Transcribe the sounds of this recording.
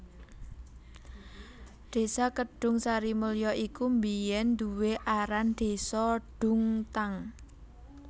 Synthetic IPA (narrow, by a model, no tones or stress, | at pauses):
ɖ̪̥e̤sakəɖ̥ʊ̤ŋsaɾiməljɔʔikumbijɛnd̪uweʔaɾanɖ̪̥e̤sɔɖ̥ʊ̤ŋt̪aŋ